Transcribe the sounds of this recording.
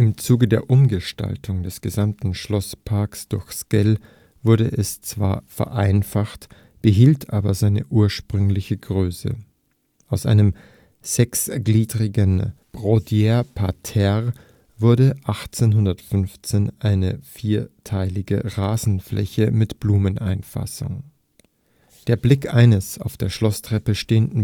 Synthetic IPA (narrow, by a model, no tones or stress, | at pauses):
ʔɪmt͡suːɡədeːɐʔʊmɡəʃta̰ltʰʊŋdɛsɡ̥əzamtn̩ʃlɔspʰaɐksd̥ʊɐçskɛl | vʊɐdəʔɛst͡sv̥a̰ːɐfɛ̰ɐʔaɪnfaχt | b̥əɦiːltʰʔaːbɐzaɪnə̰ʔuːɐʃpʁ̥ʏŋlɪçəɡʁøːsə̰ | ʔaʊsʔa̰ɪnəm | z̥ɛksɡ̥liːdʁɪɡənb̥ʁodjɛɐpʰatʰɛʁ | vʊɐdəʔaχt͡seːnɦʊndɐtfʏnft͡seːnʔaɪnəfiːɐtʰaɪlɪɡə̰ʁaːzn̩flʔɛ̰çəmɪtb̥luːmənʔa̰ɪnfa̰sʊ̰ŋ | d̥eːɐblɪkʔaɪnəsa̰ʊfd̥eːɐʃlɔstʁ̥ɛpəʃteːəndn̩